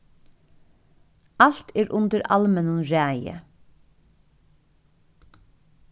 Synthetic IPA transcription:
al̥t̪ʰɛːɾʔʊnt̪əɾa̰lmɛnʊnɾæːjə̰

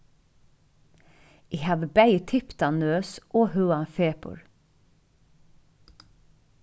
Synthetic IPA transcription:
ʔiːhɑːʋəbæɪət̪ʰɪpt̪ɑnøːsʔoːhʉːɑnfeːpʊ̰ɹ

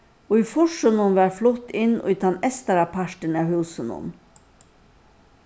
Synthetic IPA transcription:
oːiːfɔʃənɔnʋæːɾflɔt̪ːɪnʔo̰ːit̪ʰɑnɛst̪əɾɑpʰɑʃʈənæːhʉːsənɔ̰n

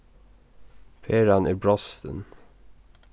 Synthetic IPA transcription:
fʰeːɾɑnʔæːbɽɑst̪ə̰n

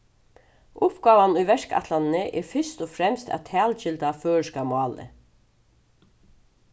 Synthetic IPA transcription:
ʊpɡɑːʋanʊjʋɛɹka̰t̪lannəʔɛ̰ɹfʏst̪ɔfɾɛmst̪æ̰ʋt̪ʰæːlt͡ʃɪlt̪aføːɹʂkamʊɑːlɪ̰

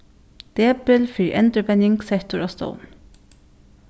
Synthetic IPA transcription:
d̪̥eːbəlfyːʔɛ̰nd̪ɾəpɛnɪŋɡsɛkt̪ʊɹoːst̪o̰ʊn

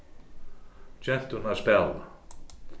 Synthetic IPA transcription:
t͡ɕɛn̥t̪hunaðspɛla̰

